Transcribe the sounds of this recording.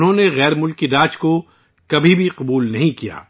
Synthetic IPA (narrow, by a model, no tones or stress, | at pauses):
nɦõneɣɛːɾmʊlkidaːt͡ʃko | kɐbʱibʱiqɐbuːlnɐɦĩkija̰ː